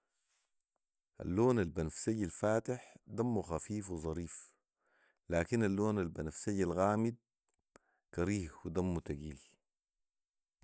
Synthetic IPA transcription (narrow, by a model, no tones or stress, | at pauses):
ʔa̰lːoːnalbanafsajːalfaːt̪ɪħd̪amːuxafiːfwizˤɑɾiːf | laːkinalːoːnalbanafsajːalɣaːmid̪̚ | kɑɾiːhwid̪amːut̪aɡiːl